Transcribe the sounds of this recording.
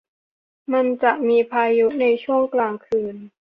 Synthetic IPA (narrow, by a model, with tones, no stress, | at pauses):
ma˧nt͡ɕa˨˩ʔmiː˧pʰaː˧ju˦˥na˧jt͡ɕʰu˥˩əŋklaː˨˩ŋkʰɯː˨˩n